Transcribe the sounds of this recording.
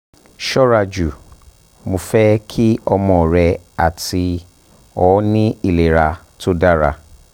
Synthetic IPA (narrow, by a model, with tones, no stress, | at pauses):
ʃɔ˦ɾa˧d͡ʒu˨ | mo˧fɛ˦kʰi˦ɔ˧mɔ̃˨ɾɛ˧a˨ti˧ | ɔ˨˦nĩ˦i˨le˨ɾa˧ | to˦da˦ɾa̰˧